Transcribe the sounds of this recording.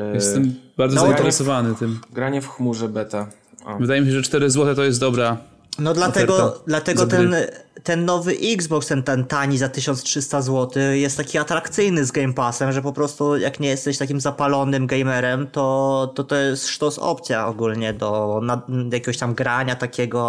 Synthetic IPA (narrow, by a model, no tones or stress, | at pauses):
jɛst̪ɛmbaɾd̪zɔzaint̪ɛɾɛsɔvanɘt̪ɘmɡɾaɲɛfxmuʐɛbɛt̪a | avɘd̪ajɛmʲiɕ̬ɛʐɛt͡ʂt̪ɛɾɘzwɔt̪ɛt̪ɔjɛst̪d̪ɔbɾa | nɔd̪lat̪ɛɡɔd̪lat̪ɛɡɔt̪ɛnt̪ɛnːɔvɘʔiɡzbɔkst̪ɛnt̪ɛnt̪aɲizat̪ɘɕɔnstʂɘst̪azwɔt̪ɘjɛst̪ːakʲiat̪ɾakt̪sɘjnɘzɡɛjmpasɛmʐɛp̬ɔpɾɔst̪ujakɲɛjɛst̪ɛɕt̪akʲimzapalɔnɘmɡɛjmɛɾɛmt̪ɔt̪ɔt̪ɔjɛst̪ʂt̪ɔsɔ̰pt̪sʲja̰ɔɡulɲɛd̪ɔnajakʲeɡɔɕt̪amɡɾaɲat̪akʲɛɡɔ